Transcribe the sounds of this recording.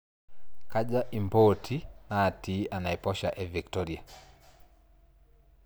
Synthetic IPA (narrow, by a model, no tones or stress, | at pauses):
kaʄaʔimbɔtʰinaːtiʔanaɛpɔʃa̰ʔɛviktɔɾia